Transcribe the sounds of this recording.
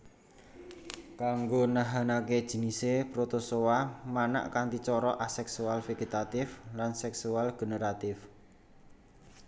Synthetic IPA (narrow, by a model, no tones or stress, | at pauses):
kaŋɡonaɦanaked̥ʒ̥i̤nisepɾot̪osowamana̰ʔkant̪it͡ʃɔɾɔʔasɛksualfeɡet̪at̪ɪflansɛksualɡ̥ənəɾat̪ɪf